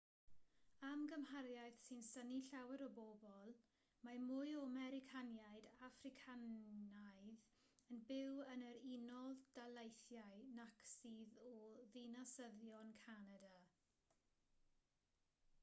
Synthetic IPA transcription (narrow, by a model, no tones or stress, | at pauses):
amɡəmhaɾjajθsɪnsəniɬawɛɾɔbɔbɔlˠ | mamʊjɔmɛɾɪkʰanjaɨdafrɪkʰanajð | ənbɪwənəɾinɔlðd̥alˠejθjaɨnaksiːðɔðinasəðjɔnkʰanada